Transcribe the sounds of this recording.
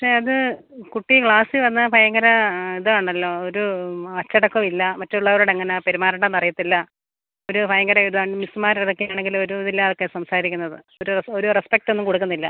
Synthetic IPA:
pɐʂe̞ɐðɨ | kuʈːikɭaːsɨʋɐnːɐpʰɐjɐŋɡɐɾɐiðɨaːɳɐlːo̞ːoɾuɐt͡ɕːɐɽɐkːomilːɐmɐtːeuɭːɐʋɐɭuɽeŋːɐnɐpeɾumaːɾuɳɽenɐrɐjɐt̪ːilːɐ | oɾupʰɐjɐŋɡɐɾɐiðuðaːɳmismaːɾiɽɐkːejaːɳeŋɡilo̞ɾuðilːaːokːe̞sɐmsaːɾikʲːunːɐðɨ | oɾuoɾurespek̚ʈo̞nːumkoɽukːunːilːɐ

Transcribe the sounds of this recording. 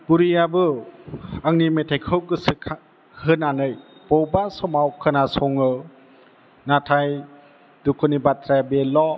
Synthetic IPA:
b̥uɾijabɯ | aŋnimetʰajkʰɯwkɯsʰ | hɯnanɯjb̥ɔwbasɔmawkʰɯnasɔŋɯ | natʰaj | dukʰɯnibatɾabelɔ

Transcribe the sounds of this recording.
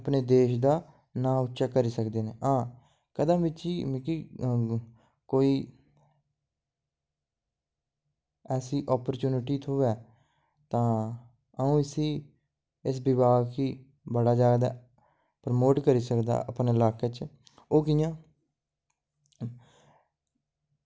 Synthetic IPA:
əpneːd̪eːʃd̪aː | nãːʊtːʃaːkəɾiːsəkd̪eːneːɦãː | kəd̪əmʋɪt͡ʃiːmĩːkiː | koːiː | ɛːsiːʔɔːpəɾt͡ʃuːnɪʈiːt̪ʰoːɛː | t̪ãː | əũːɪsiː | ɪs̬bɪbaːɡkiː | bəɽaːd͡ʒaːɡd̪a̰ː | pɾəmoːʈkəɾiːsəkd̪a̰ːʔə̰pneɪlaːket͡ʃ | oːkiːjãː

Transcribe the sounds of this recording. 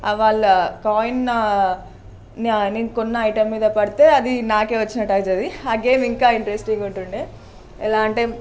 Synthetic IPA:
ɐʋaːɭːɐkaːjnɐ | nninkonːɐɐjʈɐmːiːd̪ɐpɐɽit̪e̞ːɐd̪inaːke̞ːʋɐt͡ʃːinɐʈːɐːjd͡ʒɐd̪iɐːɡeːmiŋkaːiɳʈɾesʈiŋɡuɳʈuɳɖi | ɛlaːɐɳʈɐjm

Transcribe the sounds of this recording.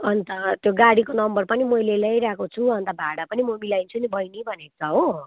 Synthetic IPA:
ʌnt̪ʌt̪joɡaɽikonʌmbʌrpʌnimojlelʌjɾakot͡sʰuɦʌnt̪ʌbʱaɽapʌnimomilajnt͡sʰunibʱʌjnibʱʌnet͡sʰʌɦo

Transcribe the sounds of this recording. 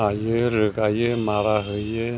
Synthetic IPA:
ajəɾəkajəmaɾaɦəjə

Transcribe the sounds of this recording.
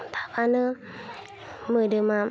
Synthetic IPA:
t̪ʰḁkanɯ | mɯdɯma

